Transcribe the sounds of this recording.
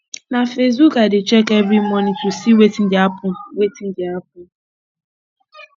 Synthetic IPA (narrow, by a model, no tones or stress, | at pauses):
nafes̬bukadɪt͡ʃɛkɛbimɔnitusiwetin̩dapʊwetin̩dɪap̚ʊ